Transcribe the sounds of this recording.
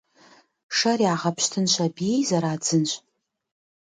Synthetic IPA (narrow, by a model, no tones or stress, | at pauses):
ʂariaʁapʰʃtʰɨnʃʷabijzaɾaːd͡zɨnɕʷʼ